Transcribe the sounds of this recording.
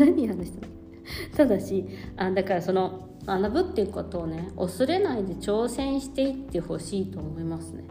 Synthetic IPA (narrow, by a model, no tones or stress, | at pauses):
naɲ̟ʲiɦanaɕi̥t̪ano | t̪ad̪aɕiad̪akaɾaso̞no̞ | manabɯ̟t̪ːeɯ̟ko̞t̪o̞ːne̞osɨɾe̞naid̪e̞t͡ɕo̞ːsẽ̞ɰ̃ɕi̥t̪e̞it̪ːe̞ho̞ɕiːt̪o̞ːmo̞imasɨne̞